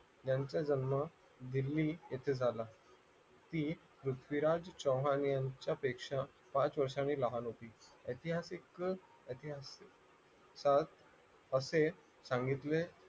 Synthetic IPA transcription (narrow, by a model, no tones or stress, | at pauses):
t̪jaɲt͡ɕjad͡ʑənmə | d̪ilːiːjet̪ʰed͡zʱala | t̪iː | pɾut̪ʰʋiɾad͡zt͡ɕə̃wɦanjãɲt͡ɕjapekʂa | pãt͡sʋəɾʂañiːlaɦanɦop̪iːəjt̪iɦasik | əjt̪iɦas | sat̪ | əse | sãŋɡit̪le